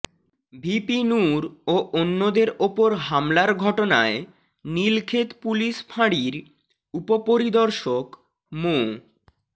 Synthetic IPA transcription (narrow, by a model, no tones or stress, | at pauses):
bʱipinuɾoʔonːod̪eɾopoɾɦamlaɾɡʱɔʈonae | nilkʰet̪puliʃpʰaɽiɾ | upopoɾid̪ɔɾʃok | mo